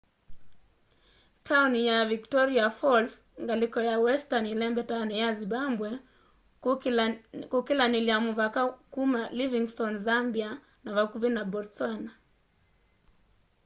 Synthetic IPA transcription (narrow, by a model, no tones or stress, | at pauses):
tʰaunijaviktɔɾiafɔls | ŋɡalikɔjawɛstanilɛmbɛtaunijazibambwɛ | kukilaniliamuvakakumaliviŋstɔnzambia | navakuvinabɔɾsɔna